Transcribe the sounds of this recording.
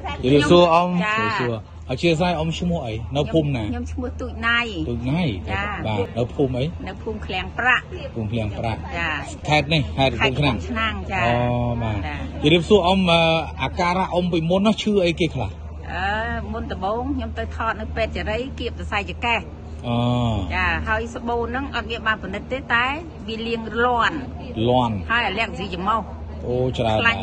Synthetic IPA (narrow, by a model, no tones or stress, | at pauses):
t͡ɕəɾiəpsuəʔomriəp̚suə | ʔat͡ɕiəs̬ajʔomt͡ɕʰmʊ̆əhʔəjnɨwʰuːmnaːɲomt͡ɕʰmʊ̆əht̪uːc̚najt̪uːc̚najaɓaːnɨwpʰuːmʔəjnɨwpʰuːmkʰlɛ̆əŋpraʔ | pʰuːmkʰlɛ̆əŋpra̰ʔt͡ɕaː | kʰaɛt̪̚nihkʰaɛuːt͡ɕʰnaŋt͡ɕʰnaŋt͡ɕaːʔɔːɓaːt͡ɕəɾiəp̚suəʔomʔəːʔaːkaːɾaʔompiːmunːɔt͡ɕʰɨːʔəjkeːkʰla̰h | ʔʔəːmunt̪ɔɓoːŋkʰɲomt̪əwt̪ʰɑːt̪̚nɨwpɛːt̪̚t͡ɕaɾəjkiəp̚sasajt͡ɕakah | ʔɔːt͡ɕaːɦaəjsəɓoːnɨŋʔɑt̪̚miənɓaːnpɔnɨt̪ːeːt̪aɛ | ʋiəliəŋlŏən | loənhaəjʔalɛ̆ək̚ziːt͡ɕamɔh | ʔoːt͡ɕraəla